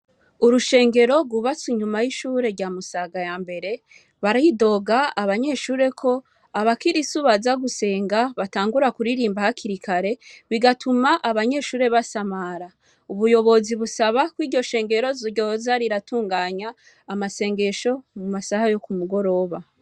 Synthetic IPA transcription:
uɾuʃe̞ːŋɡe̞ɾo̞ɡuβat͡siɲumajiʃuːɾe̞ɾɟaːmusaɡajaːmbe̞ɾe̞ | βaɾajido̞ːɡaaβaɲe̞ʃuːɾe̞kʰo̞ | aβakiɾisuβazaɡuse̞ːŋɡaβataːŋɡuɾakuɾiɾiːmbahakiɾikʰaɾe̞βiɡatʰumaʔaβaɲe̞ʃuːɾe̞βasamaɾa | uβujo̞βo̞ziβusaβakwiːɾɟo̞ʃe̞ːŋɡe̞ɾo̞zoɾɟoozaɾiɾatʰuːŋɡaːɲaː | mase̞ːŋɡe̞ʃo̞mumasahajo̞kumuɡo̞ɾo̞ːβa

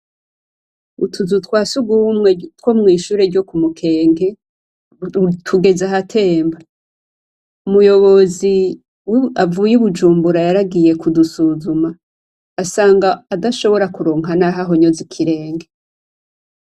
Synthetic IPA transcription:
utʰuzutkwaːsuɡuwumŋetwo̞mŋiːʃuːɾe̞ɾɟo̞kumukʰe̞ːŋɡe̞ | tʰuɡe̞zaɦatʰe̞ːmba | umujo̞βo̞zi | wavuːjuβud͡ʒuːmbuɾajaɾaɡije̞kudusuzumaː | saːŋɡaːdaʃo̞βo̞ɾakuɾoːŋanaɦaɦoɲo̞zikʰiɾe̞ːŋɡe

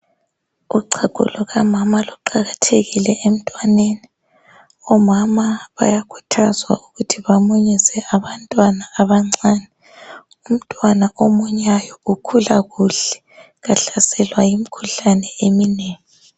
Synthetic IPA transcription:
uǀʰaɡ̥ʱṵlɔɣamamaluǃaɣatʰeɣilɛʔem̩tʼwaneːni | ɔmamaβa̰jakʰu̥tʰazwa̰uɣutʰiβamuɲizɛʔaβantʼwanaːβaŋ͡ǀaːnɛ | um̩tʼwanaʔomuɲajɔɣukʰulaɣuɬɛ̥ | ɣaɬasɛlwajimikʰuɬanɛemineːŋi

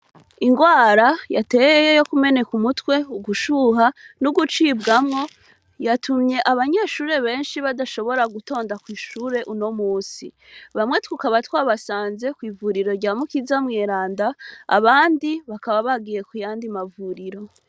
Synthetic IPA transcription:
iŋɡwaːɾajate̞ːjejejo̞kume̞ne̞kumutwe̞uɡuʃuːɦanuɡut͡ʃiːbɡamŋo̞ | jatʰumɲe̞ʔaβaɲe̞ːʃuːɾe̞βe̞ːnʃiβadaʃo̞βo̞ɾaɡuto̞ːndakwiːʃuːɾe̞ʔuno̞muːsi | βamŋe̞twukaβatwaːβasaːnze̞kwiːvuɾiɾo̞ɾɟaːmukizamŋeːɾaːnda̰ːβaːndiβakaβaβaɡiːje̞kujaːndimavuɾiɾo̞

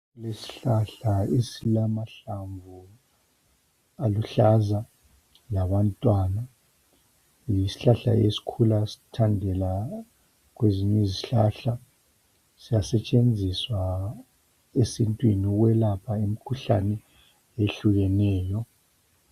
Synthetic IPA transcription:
ulesi̥ɬaɬaesilamaɬaɱvʱu | aluɬaza | lawantʼwana | jisi̥ɬaɬa̰esi̥kʰulasi̥tʰandʱɛla | ɣweziɲeziɬaɬa | sijasɛt͡ʃʼend͡zʱiswa | esintʼwinɣwɛlapʰaemikʰuɬanɛ | eɬuɣɛnɛːjɔ

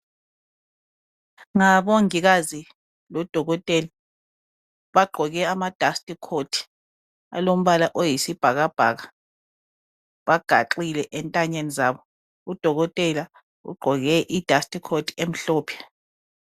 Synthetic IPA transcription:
ŋaβoŋiɣazi | lɔd̥ʱɔɣɔtʼɛla | βaɡ͡ǃʱɔɣɛamad̥ʱastʼikʰotʰi̥ | a̰lom̩βalaʔojisib̥ʱaɣab̥ʱa̰ɣa | βaɡ̥ʱa̰ǃilɛʔɛntʼaɲenizaːβɔ | ud̥ʱɔɣɔtʼɛla | ṵɡ͡ǃʱɔɣɛʔid̥ʱastʼikʰotʰi̥em̩ɬɔːpʰɛ̥

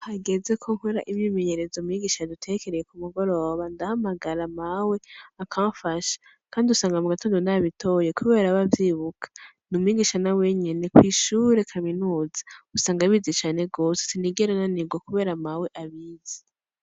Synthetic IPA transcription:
haɡe̞ze̞kʰo̞ŋ̥huɾaʔimjiːmeɲe̞ɾe̞zomwiːɡiːʃadutʰe̞ke̞ɾejekumuɡo̞ɾo̞ːβandahamaɡaɾamawe̞akʰaːfaʃḁ | kaːndiusaːŋɡamuɡatoːndonaβitʰo̞je̞kuβe̞ːɾaβavjiβukʰḁ | numwiːɡiʃanawe̞ɲene̞kwiʃuɾe̞kʰaminuːzḁusaːŋɡaβizit͡ʃaːne̞ɡo̞ːsesiniɡeɾananiɡokuβe̞ːɾamawe̞ʔaβiːzi̥

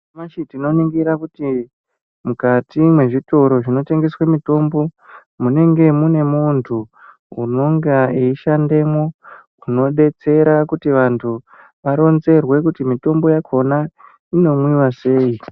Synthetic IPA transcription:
maʃitino̞niŋɡiɾakuti | mukatimwe̞ʐito̞ɾo̞ʐino̞te̞ŋɡe̞swemito̞mbo̞ | mune̞ŋɡe̞mune̞muntʰu | ṵno̞ŋɡaiiʃande̞mwo̞ | uno̞ɗe̞t͡se̞ɾakutiʋantʰu | ʋaɾo̞nze̞rwe̞kutimito̞mbo̞jakʰo̞na | ino̞mwiwase̞ːi

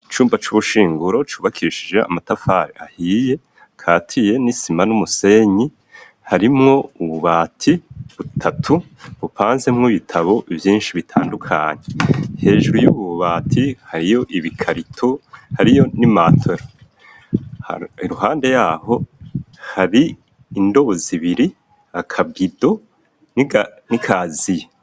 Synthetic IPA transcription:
it͡ʃuːmbat͡ʃuβuʃiːŋɡuɾo̞t͡ʃuːβakʰiʃid͡ʒe̞̰a̰matafaɾḛʔahiːje̞ | kʰaːtʰije̞nisimanumuse̞ɲi | haɾimŋo̞uβuβaːtʰiβutʰatʰu | βupaːnzemŋoβitʰaβo̞ʔivjiːnʃiβitʰa̰ːndukʰaɲehe̞ːʒuɾujuβuβuβaːtʰihaɾijo̞ʔiβikʰaɾitʰohaɾijo̞nimatʰoɾo | iɾuɦaːnde̞jaːho̞ | haɾiː | ndo̞βoziβiɾi | akʰabɡido̞ | ninikʰazije

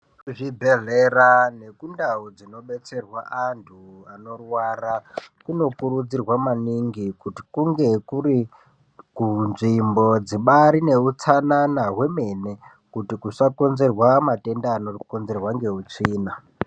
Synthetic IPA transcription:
kuʐibʱeɮerane̞kundaud͡zino̞ɓe̞t͡se̞rwaʔantʰuano̞rwarakuno̞kuɾud͡zirwamaniŋɡikuti̥kuŋɡe̞kuɾi | kunʐimbo̞d͡ziɓaɾine̞ut͡sananawe̞me̞ne̞ | kutikuʂako̞nze̞rwamate̞ndaːno̞konze̞rwaŋɡe̞ut͡ʂiːna

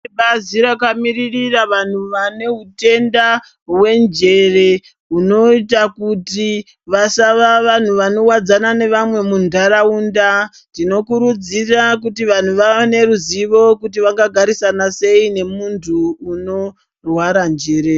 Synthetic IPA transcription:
eɓaziɾakamiririraʋan̤uʋane̞ɦute̞nda | we̞nd͡ʒe̞re̞ | uno̞itakuti | ʋasaʋaʋan̤uʋano̞wad͡zanane̞ʋamwe̞mundaɾauːnda | tino̞kuɾud͡zirak̬utiʋan̤uʋaene̞ruziʋo̞kutiʋaŋɡaɡʱaɾisanase̞ine̞muntʰuːno̞ | rwaɾand͡ʒeːɾe

